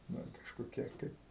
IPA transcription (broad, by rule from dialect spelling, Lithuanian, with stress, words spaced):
nʊ kɐʃkoːˈkʲiɛ ˈkɐɪp